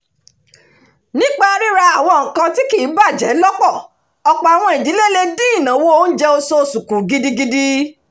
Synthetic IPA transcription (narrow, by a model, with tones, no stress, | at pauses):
nĩ˦k͡pa˦˧ɾi˦ɾa˧a˨w̃ɔ̃˧˨ŋ̩˨kã˧ti˦ki˦˨˦ba˦˨d͡ʒɛ˨˦lɔ˦kɔ˦˨ | ɔ˧k͡pa˨a˨w̃ɔ̃˧i˨di˨˦le˦le˧dĩ˦i˦˨nã˨˦wo˦o˦n̩˦d͡ʒɛ˦o˧so˧su˨kũ˨ɡi˦di˧ɡi˧di˦